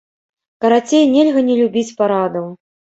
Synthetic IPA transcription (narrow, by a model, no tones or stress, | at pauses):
kɐɾat͡sʲejnʲelʲɣɐnʲɛlʲubʲit͡sʲpaɾad̪ɐw